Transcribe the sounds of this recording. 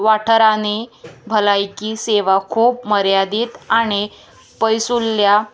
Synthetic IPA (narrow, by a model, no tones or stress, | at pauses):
ʋaʈʰəɾanebʱəlajkiːseʋakʰuːpməɾjad̪iːt̪aɽ̃i | pəjsulːja